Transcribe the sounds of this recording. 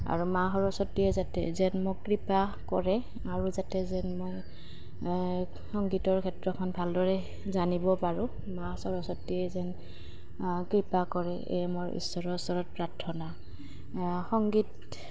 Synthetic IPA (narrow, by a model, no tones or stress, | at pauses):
a̰ɹumaɦɔɹɔsɔtːiɛzatɛ̰zɛnmokɹipa | kɔɹɛ | aɹuzatɛzɛnmoj | xɔŋɡitɔɹkʰɛtɹɔkʰɔnbʱaldɔɹɛ | zanibɔpaɹʊ̃ | masɔɹɔsɔtːiɛzɛn | kɹipakɔɹɛ | ḛjmoɹḭsːɔɹɔsɔɹɔt̚pɹatʰːɔna | xɔŋɡit